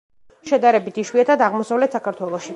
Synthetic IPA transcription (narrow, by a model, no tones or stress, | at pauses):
ʃɛd̪aɾɛbit̪ʰiʃwiat̪ʰad̪aʁmɔsavlɛt̪sakʰaɾt̪ʰwɛlˠɔʃi